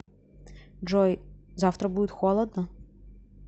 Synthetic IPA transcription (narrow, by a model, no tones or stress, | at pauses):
d͡ʒɔjzɑwt̪ɾɐbud̪ʲɪt̪ʲxɔlˠɐd̪̚nɐ